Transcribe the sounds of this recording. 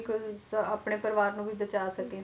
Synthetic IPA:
ksəaːpɳeːpəɾʋaːɾnũːbiːdət͡ʃaːsəkeː

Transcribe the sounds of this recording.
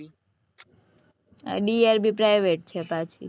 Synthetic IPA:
a̰ɖiaɾbʱipɾajʋeʈ̚t͡ʃʰepat͡ʃʰḭ

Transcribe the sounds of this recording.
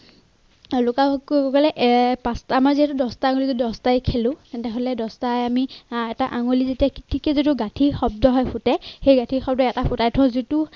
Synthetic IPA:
lokakɔlɛʔpastamaɹziɦɛtʊdɔstaaŋolizedɔstajkʰelʊ̃tɛntɛɦolɛdɔstajamiɛtaʔaŋolizetiakitʰikezituɡatʰixɔb̚dɔɦɔjpʰʊtɛxejɡatʰixɔb̚dɔɛtapʰʊtajtʰɔ̃zitu

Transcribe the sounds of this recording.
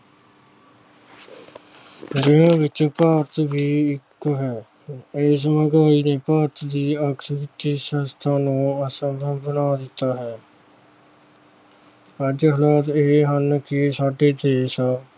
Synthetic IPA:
ɾɪɦãːʋɪt͡ʃpaːɾt̪bʱiːɪkɦɛː | ɪs̬məɡaːiːneːpaːɾt̪d̪iːəksəɾɪt̪iːsənst̪ʰaːnũːəsə̃mbəmbənaːd̪ɪt̪ːaːɦɛː | əd͡ʒɦəlaːt̪eɦənkɪsaːɖeːd̪eːsaː

